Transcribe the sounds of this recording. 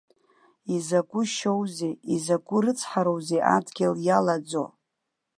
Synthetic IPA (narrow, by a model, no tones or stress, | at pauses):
izaɡʷʼʊʃo̞wzejizaɡʷʼʊɾɨt͡sʰħaɾo̞wzejʔa̰dɡʲɪljalad͡zo̰